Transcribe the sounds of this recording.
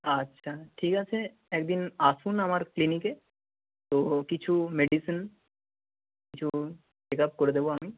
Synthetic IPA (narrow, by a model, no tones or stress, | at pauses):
ɐtːʃʰaʈʰiːkat͡ʃʰe | eːkd̪inaːsunɐmaɾklinike | t̪okit͡ʃʰumeɖisən | kit͡ʃʰu | ʃekap̚koɾed̪eboɐmi